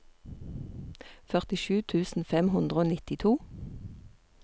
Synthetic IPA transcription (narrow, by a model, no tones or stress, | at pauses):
fœʁt̪ɪʃʉːt̪ʰʉːsn̩fɛmhʊnd̪ʁəoːnɪt̪ɪt̪ʰuː